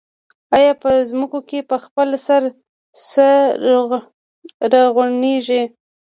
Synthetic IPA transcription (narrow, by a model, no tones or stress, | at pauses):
ajɑpəzməkokepəxpəlsaɾ | sə | ɾaɣwaɳeʒi